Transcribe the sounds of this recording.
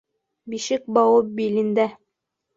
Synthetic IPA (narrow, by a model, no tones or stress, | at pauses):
biʃɘk̚bɑwɤp̚bilɘ̆nd̪æ